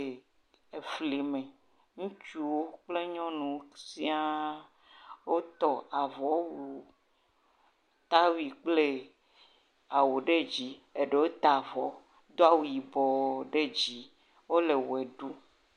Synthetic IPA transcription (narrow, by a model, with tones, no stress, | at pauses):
e˨fli˨mẽ˨ | ŋũ˦t͡ʃu˦wo˦k͡ple˦ɲɔ̃˦nũ˨si˦a˦ | wo˦t̪ɔ˨a˨vɔ˨wu˨ | t̪a˦wi˨k͡ple˦ | a˨wu˨ɖe˦d͡ʑi˦e˨ɖe˦wo˦t̪a˨vɔ˨˦ | d̪o˦a˦wu˨i˨bɔ˨ɖe˦d͡ʑi˨ | wo˦le˨wo˨e˨ɖu˦